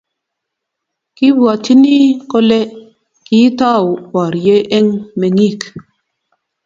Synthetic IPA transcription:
ki˦bwɔ˨ti˦ni˦ko˦le˦ | ki˨˦tɔ˦˨wbɔ˨ɾje˦ʔe˦ŋme˨ŋi˦˨k

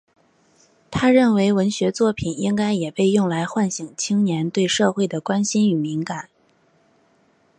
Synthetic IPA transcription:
t̪ʰa˥ɻə˥˩nwe˧˥ɪwə˧˥nɕɥɛ˧˥t͡swɔ˥˩pʰi˨˩ni˥ŋka˥ɪjɛ˨˩pe˥˧ɪjʊ˥˩ŋla˧˥ɪxwa˥˩nɕi˨˩ŋt͡ɕʰi˥ŋnjɛ˧˥nt̪we˥˧ɪʂɤ˥˧xwe˥˩ɪd̪ə˩kwa˥nɕi˥ny˨˩mi˧˥ŋka˨˩˦n

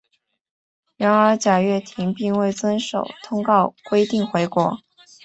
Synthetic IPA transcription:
ɻa˧˥nə˞˧˥t͡ɕja˨˩ɥɛ˥˩t̪ʰi˧˥ŋpi˥˧ŋwe˥˩ɪt͡swə˥nʂo˨˩ʊt̪ʰʊ˥ŋkɑ˥˩ʊkwe˥ɪt̪i˥˩ŋxwe˧˥ɪkwɔ˧˥

